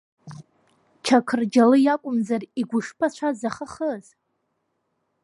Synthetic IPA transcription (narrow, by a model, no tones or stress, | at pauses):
t͡ʃʰakʰɨrd͡ʒalɨjakʷʼʊmzariɡʷʊʂpʰat͡ɕʷʰazaχaχəz̥